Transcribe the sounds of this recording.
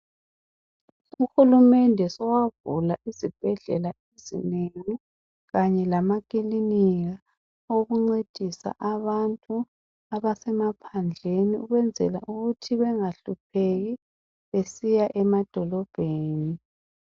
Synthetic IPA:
uxulumɛndʱɛsɔwavulaʔizib̥ʱɛɮɛ̰laezḭneŋi | ɣaɲɛlamak̬ʼiliniɣa | oɣuŋ͡ǀed̥ʱisa̰ʔaβantʼu | aβasɛmapʰand͡ɮʱeniuɣwɛnd͡zʱɛ̰la̰ʔuɣutʰiβɛŋaɬup̚ʰeɣi | βesijaʔɛmad̥ʱɔlɔb̥ʱeːni

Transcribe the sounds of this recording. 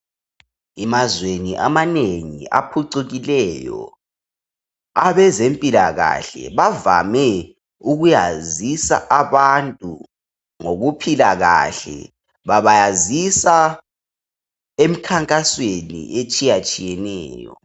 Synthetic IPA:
ɛmazweniʔa̰maneŋḭʔa̰pʰuǀuɣilɛjɔ̰ | aβɛzempʼilaɣa̰ɬɛ̰βavamɛ | uɣujazisa̰ʔaβantʼu | ŋoɣupʰilaɣa̰ɬɛ̰ | βaβajazisa | em̩kʰaŋkʼaswenḭʔet͡ʃʼijat͡ʃʼijɛnɛːjɔ̰

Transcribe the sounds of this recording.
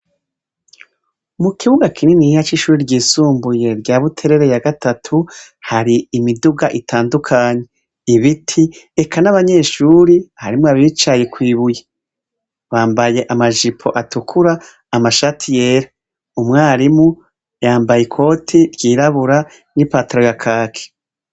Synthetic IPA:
umukʰiβuɡakininihat͡ʃiʃuːɾiɾɟiːsuːmbuje̞ɾɟaːβutʰe̞ɾeɾe̞jaɡatʰatʰu | haɾiːmiduɡaʔitʰaːndukʰaːɲe̞ | iβitʰiekʰanaβaɲe̞ʃuːɾihaɾimoaβit͡ʃajekwiːβuje | βaːmbaje̞ʔamaʒipʰo̞̰ʔatukʰuɾaː | maʃatʰijeːɾa | umŋaːɾimu | jaːmbajekʰo̞ːtʰiɾɟiːɾaβuɾa | nipataɾo̞jakʰaːkʰe̥

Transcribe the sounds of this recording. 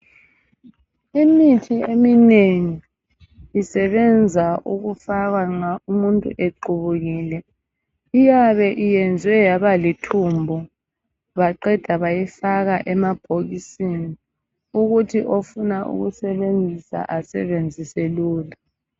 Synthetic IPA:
imitʰiemineŋiː | sɛβɛnd͡zʱaʔuɣufaɣwaŋ͡ǁaumuntʼṵʔeǃuβuɣiːlɛ | ijaβɛʔijɛnd͡zʱwɛjaβalitʰumbʱɔ | βaǃɛd̥ʱaβajifaɣaʔɛmab̥ʱoɣisini | uɣutʰiʔofunaʔṵɣṵsɛβend͡zʱisa̰ʔasɛ̰βend͡zʱiseluːla

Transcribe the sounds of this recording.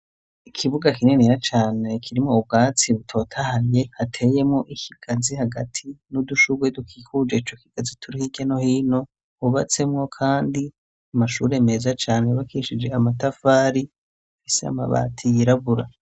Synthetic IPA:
ikʰiβuɡakine̞neɾat͡ʃaːne̞kʰiɾimŋoub̚ɡaːt͡siβutʰo̞ːtʰahaɾje̞hatʰe̞je̞mŋo̞ʔihiɡ̥azihaɡatʰinuduʃuɡwedukʰiːkud͡ʒeit͡ʃo̞kiɡ̥azitʰuɾihiɡano̞hiːno̞ | uβat͡se̞mŋo̞kʰaːndi | amaʃuːɾe̞me̞ːzat͡ʃaːneβakʰiʃid͡ʒe̞amatafaːɾi | afisea̰ma̰βa̰ːtʰijiɾaβuɾa

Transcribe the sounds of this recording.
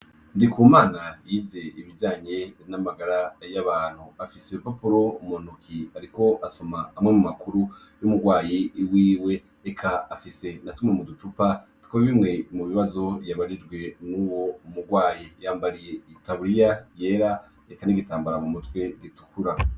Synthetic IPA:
ndikuːmaːnajiːze̞iβid͡ʒaːɲe̞namaɡaɾajaβaːn̥huafise̞papuɾo̞umonukʰiaɾiko̞ʔaso̞maːmŋemumakuɾu | jumuɡwaːjiwiːwe̞ | ekʰaːfise̞natumŋemudut͡ʃupa | tkuɾiβimŋe̞muβiβazo̞jaβaɾid͡ʒɡwe̞nuwo̞umuɡwaːjijaːmbaɾije̞itaβuɾijaje̞ɾa | ekaniɡitaːmbaɾamumutwe̞ditu̥kʰuɾa

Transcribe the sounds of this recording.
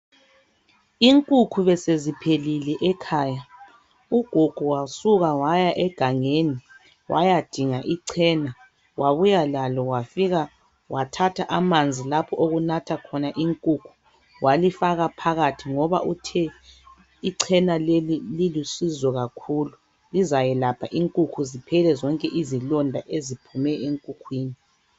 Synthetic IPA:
iŋkʼukʰuβɛsezipʰelilɛʔɛkʰaːja | uɡ̥ʱuɡ̥ʱuwasuɣawajaʔɛɡ̥ʱaŋeni | wʔa̰jad̥ʱiŋaʔiǀʰɛːna | wʔaβujalalɔwafiɣa | watʰatʰaʔamand͡zʱilapʰɔʔoɣunatʰakʰɔnaʔiŋkʼukʰu̥ | wʔalifaɣapʰaɣatʰiŋɔβa̰ʔutʰɛ | iǀʰɛnalelililusizɔɣakʰuːlu | lizajɛlapʰaʔiŋkʼukʰuzipʰɛlɛzɔŋkʼɛʔizilɔndʱaʔezipʰumɛeŋkʼukʰwiːni

